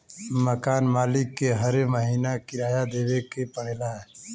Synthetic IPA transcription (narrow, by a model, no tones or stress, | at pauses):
məkanmalikːeɦəɾeməɦinakiɾajad̪ebekepəɽlaɦɛ